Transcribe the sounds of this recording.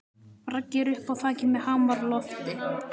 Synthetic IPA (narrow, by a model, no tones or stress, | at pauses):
pɾacːɛɾʏhpawθʰaːcɪmɛðhaːmaɾlɔft̪ɪ